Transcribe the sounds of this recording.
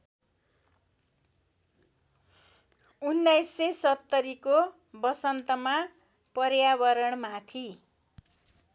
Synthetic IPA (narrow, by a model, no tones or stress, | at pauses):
unːajsːesʌt̪ːʌɾiko | bʌsʌnt̪ʌma | pʌrjabʌɾʌɳmat̪ʰi